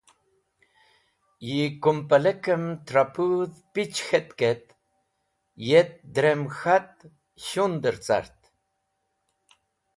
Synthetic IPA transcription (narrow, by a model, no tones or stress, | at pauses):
jikumpalekəmt̪ɾapuðpit͡ʃxet̪ket̪ | jet̪̚d̪ɾemxat̪̚ | ɕund̪əɾt͡sa̰ɾt̪